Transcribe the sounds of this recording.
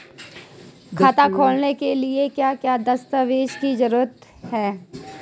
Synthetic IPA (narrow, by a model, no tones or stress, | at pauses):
kʰaːt̪akʰoːlnekeliekjaːkjaːd̪ɐst̪əʋeːʃkid͡ʒɐɾuːət̪ | hɛː